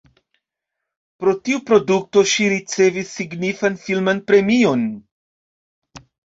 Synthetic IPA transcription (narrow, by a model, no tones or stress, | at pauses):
pɾo̞tiupɾo̞duk̚to̞ʃiɾit͡se̞visːiɡnifanfilmanpɾe̞mio̞n